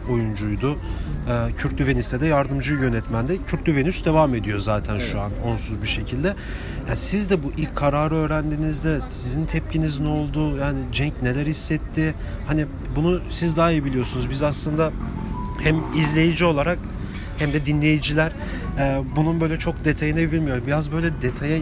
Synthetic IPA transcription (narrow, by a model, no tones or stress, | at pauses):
o̞jund͡ʒujd̪ʊː | cʰyɾt̪̚d̪yve̞nist̪ɛd̪ɛjaɾd̪ɯmd͡ʒɯjø̞nɛt̪mænd̪ɛcʰyɾt̪d̪yvenysd̪e̞vame̞d̪ijo̞zaːt̪ʰænʃuano̞nsuzbiʃe̞cʰilʲd̪ɛ | jasizd̪ɛbuʔikʰaɾaːɾɯø̞ːɾænd̪inizd̪ɛsizint̪ʰɛp̚cʰinizno̞lˠd̪ʊjaːnid͡ʒɛɲcne̞lʲæɾhisːɛt̪ʰːɪ | hani | bunusizd̪aːibilʲijo̞sunuzbizaslˠɯnd̪a | hæmizlʲe̞jid͡ʒio̞lˠaɾak | hæmd̪ɛd̪inlʲe̞jid͡ʒilʲæɾ̥ | ɛbununbø̞jlʲɛt͡ʃʰo̞k̚d̪e̞t̪ʰajinɛbilʲmijo̞ɾbijazbø̞jlʲɛd̪e̞t̪ʰaja